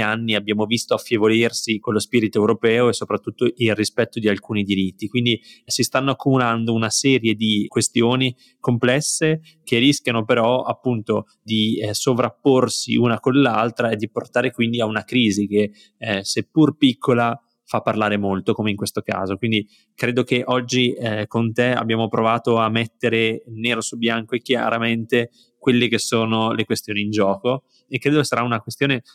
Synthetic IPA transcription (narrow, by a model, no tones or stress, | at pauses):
anːiabːjaːmovist̪oafːjevolirsikolːospiːɾit̪oewɾopɛːoesopɾat̪ːut̪ːoʔilrispɛt̪ːod̪ialkuːnid̪iɾit̪ːikwind̪isist̪anːoakːumuland̪ounasɛːɾjed̪ikwest̪joːni | komplɛsːe | k̟eriskjanopeɾɔa̰pːunt̪o | d̪isovɾapːorsḭunakonlːalt̪ɾaed̪ːiport̪aːɾekwind̪iaunakɾiːzike | sepːurpikʰːola | fapːarlaːɾemolt̪okomeiŋkwest̪oka̰ːzokwind̪i | kɾeːd̪okeʔɔd͡ʒːikont̪ea̰bːjaːmopɾovaːt̪oamːet̪ːeɾeneːɾosubjaŋkoekːja̰ɾament̪e | kwelːekesoːnolekwest̪joːniːnd͡ʒɔːko | ekːɾeːd̪okesaɾaunakwest̪joːne